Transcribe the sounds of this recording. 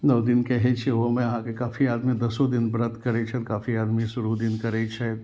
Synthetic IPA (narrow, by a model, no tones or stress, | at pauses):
nəwd̪ɪnkɛɦet͡ʃʰeʋomẽɦãkekaːfiaːd̪mĩd̪ɐsod̪ɪnbɾət̪kɐɾet͡ʃʰɛt̪kaːfiaːd̪mĩsʊɾud̪ɪnkɐɾet͡ʃʰɛ